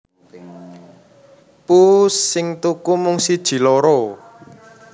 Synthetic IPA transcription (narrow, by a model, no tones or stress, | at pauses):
pusːɪŋt̪ukumuŋsid̥ʒ̥i̤loɾo